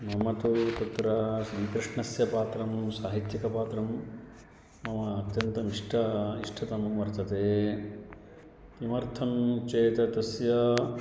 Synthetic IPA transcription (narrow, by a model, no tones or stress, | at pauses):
mɐmɐt̪ut̪ɐt̪ɾɐsɐːkɾɪʂɳɐsjɐpaːt̪ɾɐmsaːɦit̪jɐkɐpaːt̪ɾɐmː | ɐmɐːt̪jɐnt̪ɐmiʂʈʰɐiʂʈʰɐt̪ɐmɐʋɐɾt̪ɐt̪eː | kimɐɾt̪ʰɐmt͡ʃeːt̪ɐt̪ɐsjɐ